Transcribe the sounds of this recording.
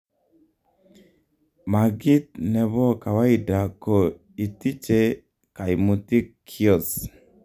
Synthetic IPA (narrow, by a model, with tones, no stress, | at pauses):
ma˨ɡi˦t̪nɛ˨βɔ˦ka˨wa˦i˨da˨ko˨ | i˨ti˦t͡ʃe˦ | ka˨i˨mu˨ti˦kʰːi˦ɔ˦˨s